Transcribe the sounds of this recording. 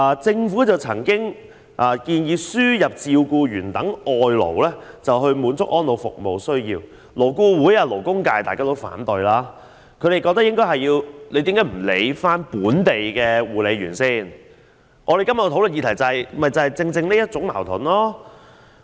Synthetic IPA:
aː˨˧t͡sɪ˧ŋfuː˨˥t͡sɐ˨wt͡sʰɐ̰˨˩ŋkɪ˥ŋ | ʔaː˨˧kiː˧njiː˨˧syː˥jɐ˨˩p̚t͡siː˧wkuː˧ɥyː˨˩nt̪ɐ˨˥ŋɔː˨˧jlo̰˨˩wlɛː˥t͡sɐ˨wɦɵ˧ɥmuː˨˧nt͡sʊ˥k̚ʔɔː˥nlo˨˧wfʊ̰˨k̚mo˨wsɵ˥ɥjiː˧w | lo˨˩wkuː˧wuː˨˥jaː˧lo˨˩wkʊ˥ŋkaː˧jt̪aː˨kaː˥t̪o˥wfa̰ː˨˥nt̪ɵ˨ɥlaː˥ | kʰɵ˨˧ɥɾe˨jkɔ˧t̪ɐ˥jɪ˥ŋkɔː˥jhɦɐ˨jːiː˧wle˨˧jt̪i˨˥kaː˨˥jm̩˨˩le˨˧jfaː˥npuː˨˥nt̪e˨jkɛː˧wuː˨˩le˨˧jɥyː˨˩nsiː˥˩n | ʔɔː˨˧e˨jkɐ˥mɐ˨˧t̪ʰwlə˨njiː˨˧t̪ʰɐ˨˩jt͡sɐ˨hjmɐ˨˩jt͡sɐ˨˩hɐ˨jt͡sɪ˧ŋt͡sɪ˧ŋne˥jɐ˥t̚t͡sʊ˨˥ŋma̰ː˨˩wt̪ʰʊ˨˩nlɔː˥

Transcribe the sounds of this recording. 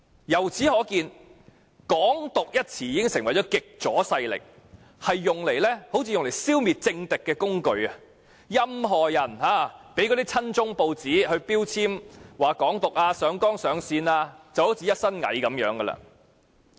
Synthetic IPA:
jɐ˨˩wt͡sʰiː˨˥hɔː˨˥kiː˧n | kɔː˨˥ŋt̪ʊ˨k̚jɐ˥t̚t͡sʰiː˨˩jiː˨˧kɪ˥ŋsɪ˨˩ŋwɐ˨˩jt͡sɔː˨˥kɪ˨k̚t͡sɔː˨˥sɐ˧jlɪ̰˨k̚ | hɐ˨jːʊ˨ŋle˨˩jlɛː˥ho˨˧˥wt͡sʰiː˧jʊ˨ŋle˨˩jsiː˥wmiː˨t̚t͡sɪ˧ŋt̪ɪ˨kːɛː˧kʊ˥ŋkɵ˧ɥɐ˨ | jɐ˥mɦɔː˨˩jɐ˨˩nɦaː˨˧˩pe˨˥jk̬ɔː˨˧ɾi˥t͡sʰɐ˥nt͡sʊ˥ŋpo˧wt͡siː˨˥hɵ˧ɥpiː˥wt͡sʰiː˥mwaː˨kɔː˨˥ŋt̪ʊ˨k̚aː˧sœː˨˥ŋkɔː˥ŋsœː˨˥ŋsiː˧naː˧t͡sɐ˨who˨˥wt͡si˧jɐ˥t̚sɐ˥nŋɐ̰˨˥jkɐ˨˥mjœː˨˥ŋɡɐ˧lɐ̰˧

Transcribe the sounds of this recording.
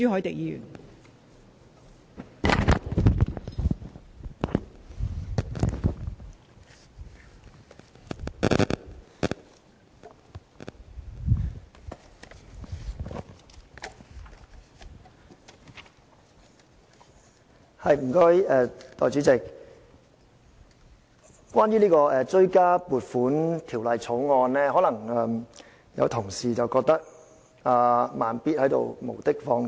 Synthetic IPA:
yː˨˥hɔ˨˥jt̪e˨˩jiː˨˥jy̰ː˨˩n | hɐ˨jm̩˨˩kɔ˧jɛː˨˧t̪ɔ̰ː˨jt͡ʃyː˨˥t͡sɪ˨k̚ | kwaː˥njyː˥niː˥kɔː˧ɛː˧t͡ʃɵ˥ɥkaː˥puː˨t̚fuː˨˥nt̪ʰi˨˩wlɐ˨jt͡sʰo˨˥wŋɔː˧nlɛː˥hɔ˨˥lɐ˨˩ŋɛ˧m | jɐ̰˨˧wt̪ʰʊ˨˩ŋsiː˨t͡sɐ˨wkɔː˧k̚t̪ɐ˥k̚ | aː˧maː˨˩npiː˥t̚hɐ˨˥jt̪o̰˨wmo̰˨˩wt̪ɪ˥k̚fɔː˧ŋ

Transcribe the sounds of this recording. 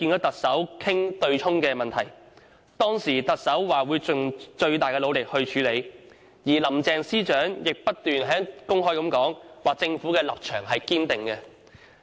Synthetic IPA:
kiː˧nkɔː˨˥t̪ɐ˨k̚sɐ˨˥wkʰɪ˥ŋt̪ɵ˧ɥt͡ʃʰʊ˥ŋkɛː˧mɐ˨nt̪ʰɐ˨˩j | t̪ɔː˥ŋsiː˨˩t̪ɐ˨k̚sɐ˨˥wwaː˨˩wuː˨˧jt͡ʃʊ˨ŋt͡ʃɵ˧ɥt̪aː˨jkɛː˧lo˨˧wlɪ˨k̚hɵ˧ɥt͡ʃʰyː˨˧le˨˧j | jiː˨˩lɐ˨˩mt͡sɛː˨˧ŋsiː˥t͡ʃœː˨˥ŋjɪ˨k̚pɐ˥t̚t̪yː˨nɦɛː˨˥ŋkʊ˥ŋɦɔː˥jkɐ˨˥mkɔː˨˥ŋwaː˨k̚t͡sɪ˧ŋfuː˨˥kɛː˧lɐ̰˨p̚t͡ʃʰœː˨˩ŋɦɐ˨jkiː˥nt̪ɪ˨ŋkɛ˧

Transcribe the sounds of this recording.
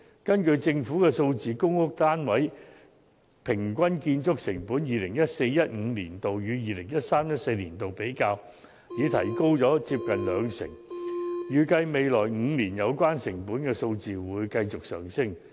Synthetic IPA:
kɐ˥nkɵ˧ɥt͡sɪ˧ŋfuː˨˥kɛː˧so˧wt͡siː˨˧kʊ˥ŋʊ˥k̚t̪aː˥nwɐ˨˥j | pʰɪ˨˩ŋk̬ʷɐ˥nkiː˧nt͡sʊ˥k̚sɪ˨˩ŋpuː˨˥njiː˨lɪ˨˩ŋjɐ˥t̚se˧jjɐ˥t̚ŋ̩˨˧liː˨˩nt̪o˨wjyː˨˧jiː˨˧lɪ˨˩ŋjɐ˥t̚saː˥mjɐ˥t̚se˧jliː˨˩nt̪o˨wpe˨˥jkaː˧w | jiː˨˧t̪ʰɐ̰˨˩jko˥wt͡sɔː˨˥t͡si˧p̚kɐ˨nlœː˨˧ŋsɪ̰˨˩ŋjyː˨˩kɐ˧jme˨˧jlɔː˨˩jŋ̩ː˨˧liː˨˩njɐ˨˧wkʷaː˥nsɪ˨˩ŋpuː˨˥nkɛː˧so˧wt͡siː˨wuː˨˧jkɐ˧jt͡sʊ˨k̚sœ̰ː˨˩ŋsɪ˥˩ŋ

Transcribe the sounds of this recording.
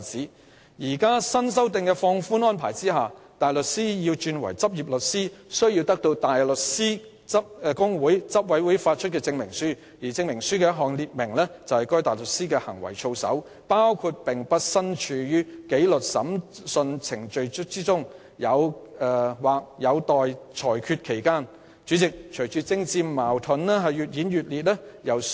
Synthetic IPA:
t͡siː˨˥ | jiː˨˩kaː˥sɐ˥ns̬ɐ˥wt̪ɪ˨˧ŋkɛː˧fɔː˧ŋfuː˥nɔː˥npʰa̰ː˨˩jt͡siː˥ɦaː˨t̪aː˨jlɵ˨t̚siː˥jiː˧wt͡ʃyː˧nwɐ̰˨˩jt͡sɐ˥p̚jiː˨˩p̚lɵ˨t̚siː˥sɵ˥ɥji˧wt̪ɐ˥k̚t̪o˧wt̪aː˨jlɵ˨t̚siː˥ | t͡sɐ˥p̚kʊ˥ŋwuː˨˥jt͡sɐ˥p̚wɐ˨˥jwuː˨˥jfaː˧t̚t͡ʃʰɵ˥t̚kɛː˧t͡sɪ˧ŋmɪ˨˩ŋsyː˥ | jiː˨˩t͡sɪ˧ŋmɪ˨˩ŋsyː˥kɛː˧jɐ˥t̚ɦɔː˨˩ŋliː˨t̚mɪ˨˩ŋlɛː˥t͡sɐ˨whɐ˨jkɔː˥jt̪aː˨˩jlɵ˨t̚siː˥kɛː˧hɐ˨˩ŋwɐ̰˨˩jt͡ʃʰo˧wsɐ̰˨˥w | paː˥wkʰu˧t̚pɪ˨ŋpɐ˥t̚sɐ˥nt͡ʃʰyː˨˩jyː˥ke˨˥jlɵ˨t̚sɐ˨˥msɵ˧nt͡sʰɪ˨˩ŋt͡ʃɵ˧ɥt͡siː˥t͡sʊ˥ŋ | jɐ˨˧wɛ˧waː˨k̚jɐ˨˧wt̪ɔː˨jt͡sʰɔː˨˩jkʰyː˧t̚kʰe˨˩jkaː˥n | t͡ʃyː˨˥t͡sɪ˨k̚t͡ʃʰɵ˨˩jt͡ʃyː˨t͡sɪ˥ŋt͡siː˧mmaː˨˩wt̪ʰɵ˨˥nɛː˥ɦɐ˨jːyː˨t̚jiː˨˥njyː˨t̚liː˨˩t̚lɛː˥jɐ˨w

